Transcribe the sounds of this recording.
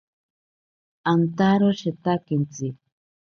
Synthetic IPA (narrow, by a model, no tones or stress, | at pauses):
ant̪aɾoʃet̪akint͡si